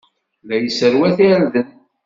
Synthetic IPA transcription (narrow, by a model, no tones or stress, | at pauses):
læjəsəɾwæθilðən